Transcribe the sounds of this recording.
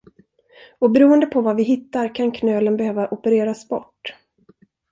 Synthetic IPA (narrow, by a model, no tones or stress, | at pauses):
ɔbɛɾuːənd̪əpʰɔvavɪɦɪt̪ːaɾkʰankʰnøːlənbɛhøːvaʔɔpəɾeːɾasbɔ̰ʈː